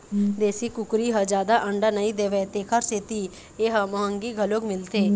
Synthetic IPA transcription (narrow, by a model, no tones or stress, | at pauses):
d̪eːsiːkʊkɾiːɦad͡ʒaːd̪aːʔəɳɖaːnəĩːd̪eːʋɛt̪eːkʰəɾseːt̪iː | eːɦamaəŋɡiːɡʱəloːɡmɪlt̪ʰeː